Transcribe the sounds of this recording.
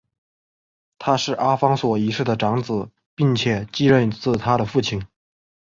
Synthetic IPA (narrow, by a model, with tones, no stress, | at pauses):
t̪ʰa˥ʂɻ̩˥˩ʔa˥fɑ˥ŋswɔ˨˩i˧˥ʂɻ̩˥˩d̪ə˩ʈ͡ʂɑ˧˥ŋt͡sɹ̩˨˩˦ | pi˥˩ŋt͡ɕʰjɛ˨˩˦t͡ɕi˥ɻə˥˧nt͡sɹ̩˥˩t̪ʰa˥ɾə˨fu˥˩t͡ɕʰi˧˥˦ŋ